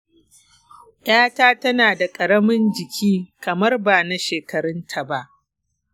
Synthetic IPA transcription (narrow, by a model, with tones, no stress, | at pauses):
ʔaː˦taː˦tɐ˦naː˨da˨kʼɐ˨ɽɐ˦mɪ˦nd͡ʒɪ˨kʲʰiː˦kɐ˨mɐ˦rba˨na˦ʃeː˨kɐ˨ɾɪ˦ntʰa˨ba˦ʔ